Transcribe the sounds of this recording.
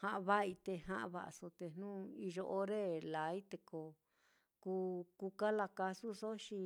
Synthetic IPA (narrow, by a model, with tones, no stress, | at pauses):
hã˧ʔã˧βa˦i˧t̪e˧ɦã˦ʔã˧βa̰˧ʔso˧t̪e˧n̥nũː˦i˧ʒo˧ʔo˧ɾe˦la˨i˦t̪e˧ko˧ | ku˧ku˧ka˦la˧ka˧su˦so˦ʃi˧